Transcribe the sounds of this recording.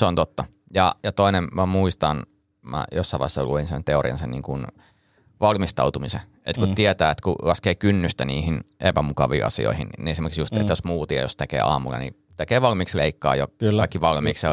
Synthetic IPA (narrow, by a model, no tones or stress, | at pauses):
seont̪ot̪ːɑ | jɑjɑt̪oinemmæmuist̪ɑn | mæ̰josːɑiʋɑ̰hesːɑluinsḛnt̪eoriɑ̰nsenniːŋkun | ʋɑlmist̪ɑut̪umise | et̪kut̪iet̪æːet̪kṵlɑskeːkynːyst̪æniːhinʔepæmukɑʋḭːʔɑ̰sḭo̰ihinḭniesimerksjust̪et̪josmuːt̪iḛjost̪ekḛːɑ̰ːmulːɑ̰nḭ | t̪ekeːʋɑlmiːksleikːɑ̰ːjoɑikːiʋɑlmiːksɑ